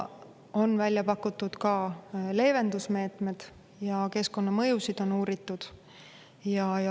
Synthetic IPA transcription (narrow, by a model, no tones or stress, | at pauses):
o̞nvælʲjɑpɑkːut̪ːˑud̪̥kɑle̞ːve̞nd̪̥usme̞ːt̪me̞d̪̥ | jɑke̞sko̞nːɑmɤjusid̪̥o̞nuːɾit̪ːˑud̪̥ | jɑjɑ